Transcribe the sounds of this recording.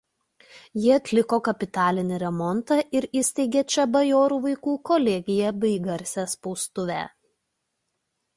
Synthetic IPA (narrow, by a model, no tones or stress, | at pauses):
jɪɐt̪ʲlʲɪkoːkɐpʲɪt̪ɑːlʲɪnʲɪɾʲɛmɔnt̪ɑʔɪɾɪsʲt̪ʲɛɪɡʲeːt͡ʃʲɛbɐjoːɾuːʋɐɪkuːkɔlʲɛɡʲɪjɛbʲɐɪɡɐɾʲsʲɛːspɔʊst̪ʊʋʲæ̰ː